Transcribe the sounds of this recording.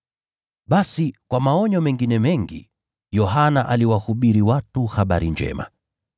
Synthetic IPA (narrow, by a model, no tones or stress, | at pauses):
ɓasikwamaɔɲɔmɛŋɡinɛmɛŋɡḭ | jɔɦanaʔaliwahuɓiɾiwatuhaɓa̰ɾind͡ʒɛ̰ma̰